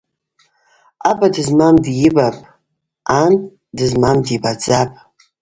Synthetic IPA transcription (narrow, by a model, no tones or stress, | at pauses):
abadɨzmamdjɪbapʼ | antʼ | dɨzmamdibad͡zapʼ